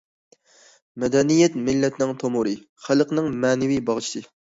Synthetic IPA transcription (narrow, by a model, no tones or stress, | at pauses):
mɛd̪ɛnijɛt̪mɪlːɛt̪ʰnɪŋt̪ʰomʊɾɨ | χælˠəqnɨŋmɛːnɪwijbɑʁt͡ʃʰi̥sɨ